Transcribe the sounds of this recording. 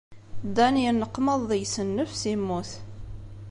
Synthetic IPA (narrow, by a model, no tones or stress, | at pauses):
d̪ːænjənːəqːməðˤðˤəjsənːəfsimːuθ